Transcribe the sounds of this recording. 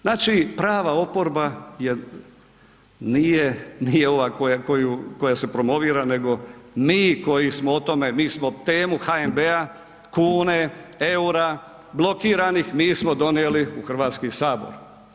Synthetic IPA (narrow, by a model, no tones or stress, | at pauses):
znaːt͡ʃipɾaːʋao̞po̞ɾbaje̞ | nijenijeo̞ʋakojakojuko̞jase̞pɾo̞mo̞ʋiːɾane̞ɡo̞miːko̞jismoot̪o̞me̞miːsmo̞t̪eːmuxaembea | kuːneeuɾa | blˠo̞kiːɾanixmiːsmo̞d̪o̞nieliuxr̩ʋaːt̪skisaːbo̞̰ɾ